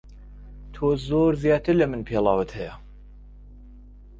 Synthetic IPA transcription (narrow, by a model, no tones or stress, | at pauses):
t̪ʰoːzoːɾzijɑːt̪ʰɨɾlɐmɨnpʰeːlˠɑːwət̪hɛjɐ